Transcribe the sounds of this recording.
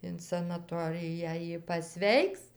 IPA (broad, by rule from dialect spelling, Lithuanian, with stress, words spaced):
ɪn sɐnɐˈtoːrʲɪjæː ˈjɪ pɐˈsʲʋʲɛɪks